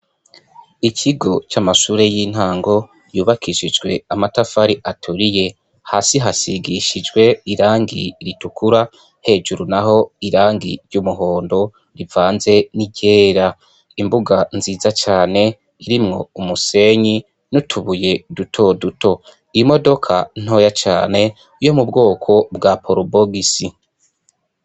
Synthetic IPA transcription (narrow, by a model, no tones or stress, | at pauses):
icʰiɡo̞t͡ʃamaʃuːɾe̞jiːn̥haːŋɡo̞ | juːβakʰiʃid͡ʒɡwe̞amatafaɾiʔatʰuɾije̞ | haːsiɦasiɡiʃid͡ʒɡwe̞iɾaːŋɡiɾitukʰuɾa | he̞ːd͡ʒuɾunaɦo̞iɾaːŋɡḭɾɟumuɦo̞ːndo̞ | ɾivaːnze̞niɟe̞ːɾa | imbuɡanziːzat͡ʃaːne̞ | iɾimŋo̞̰umuse̞ɲi | nutʰuβuje̞dutʰo̞duto̞ | iimo̞do̞kʰan̥o̞ːjat͡ʃaːne̞ | ujo̞mubɡo̞ːkʰo̞bɡapʰoɾobo̞ɡisi